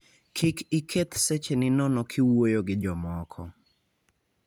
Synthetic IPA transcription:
kʰɪkɪkʰet̪set͡ʃenɪnɔnɔkʰɪwojoɡɪd͡ʒɔmɔkʰɔ̰

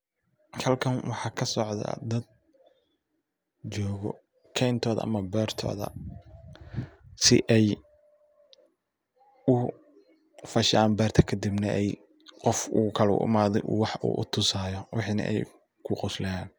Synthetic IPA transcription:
hɐlkʰɐnwʔɑħɑːkʰɐsɔʕd̪ɐ̰d̪ɐd̪̚ | t͡ʃɔːɣɔ | kʰɛjnt̪ʰɔːðɐ̰ʔɐ̰mɐbɛːrt̪ʰɔ̰ːðɐ̰ | sɪ̰ʔɛj | ʊ | fɐʃaːnbɛːrt̪ʰɐ̥kʰɐd̪ibnɐʔɛj | qɔfuːkʰɐlɛʊ̰ʔɪ̰maːðɛʔṵwɑħṵːʔʊt̪ʰʊsaːjɔwɑħiːnɐ̰ʔɛ̰j | kʰʊqʊslɐjaːn

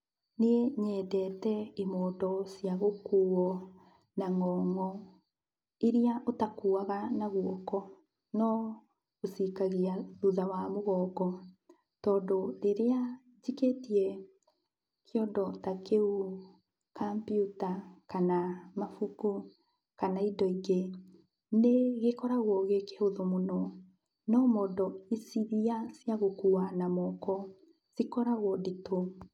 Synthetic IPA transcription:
neeɲɛːdɛtɛimɔːdɔsiaɣokuːɔ | naŋɔːŋɔ | eɾeaʔotakuaɣanaɣwɔkɔ | nɔ | osikaɣiaðuðawamoɣɔːɡɔ | tɔːndoɾeɾea | d͡ʒiketiɛ | keɔdɔtakeu | kampjutakanamafuku | kanaidɔiɡe | neɣekɔɾaɣwɔɣekeoðomonɔ | nɔmɔdɔisiðiasjaɣokuanamɔkɔ | z̥ikɔɾaɣwɔdito

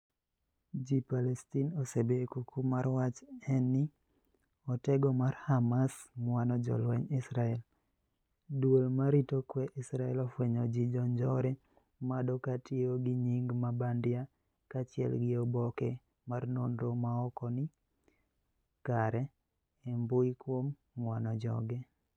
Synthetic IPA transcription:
d͡ʒipalɛstinosebekukumaɾwat͡ʃɛnːɪ | ɔtɛɡɔmarhamasmwanɔd͡ʒɔ̰lwɛɲɪsɾaɛl | dwolmaɾitokwɛʔɪsɾaɛlɔfwɛɲɔd͡ʒid͡ʒɔnd͡ʒɔɾe | madokatɪoɡɪɲiŋɡmabandja | kat͡ʃɪɛ̰lɡɪɔbɔkɛ | marnondomaɔkɔnɪ | kaɾɛ | embʊjkwom | ŋwanɔd͡ʒɔ̰ɡɛ

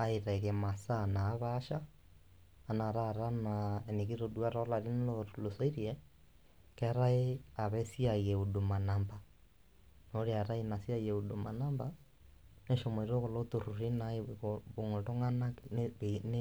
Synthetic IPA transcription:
aiɾaiɾiɛmasanaːβaʃaː | naɾaɾanaeniɣiɾoduaɾolaɾinlolosoiɾiɛ | kɛɾaeaβɛsiajɛodomanamba | noɾiaɾaenasiajeoduma̰namba | neʃomeɾiɾoɣolotoɾuɾinaeɣoβoŋontoŋanaen

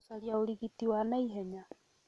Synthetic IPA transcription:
saljaoɾiɣitiwanaiɦɛɲa

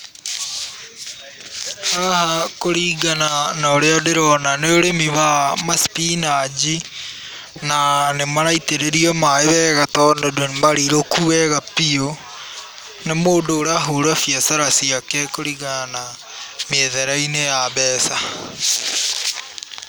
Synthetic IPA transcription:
aɾahakoɾiːɡananaoɾeadeɾɔnaneoɾemiβamaspinad͡ʒi | nanemaɾaiteɾeɾiɔmaeβɛɣatɔndodonemaɾiɾokuwɛɣapio | nemoːdoːɾaɦoɾafjasaɾasiakɛkoɾiɣanana | meðɛɾainejaβɛːsa

